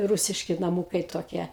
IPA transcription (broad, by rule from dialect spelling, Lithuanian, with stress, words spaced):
ˈruːsʲɪʃʲkʲɪ nɐˈmuːkɐɪ toːˈkʲiɛ